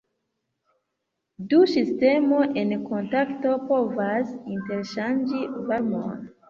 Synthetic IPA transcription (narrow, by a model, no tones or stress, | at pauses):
dusiste̞mo̞ʔenko̞ntakto̞po̞vasinte̞ɾʃand͡ʒivaɾmo̰n